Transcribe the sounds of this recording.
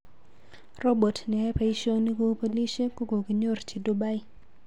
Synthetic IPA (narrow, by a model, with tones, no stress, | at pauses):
rɔ˦bo˨tnɛ˨ɛ˦pa˦i˦ʃo˦ni˦ko˦po˦li˦ʃe˦ko˦ɡo˨ki˨ɲo˦˨rt͡ʃi˨du˦ba˦ɪ˦